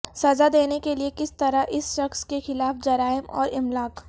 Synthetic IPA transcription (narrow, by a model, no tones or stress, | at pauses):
sɐzad̪eːnekeliekɪst̪ɐɾaʔɪsʃɐxskexɪlaːfd͡ʒɐɾaːɪmɔ̰ːɾɪmlaːk